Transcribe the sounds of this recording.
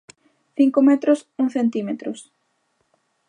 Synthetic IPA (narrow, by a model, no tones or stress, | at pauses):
θiŋkomɛt̪ɾʊsuŋθent̪imet̪ɾʊs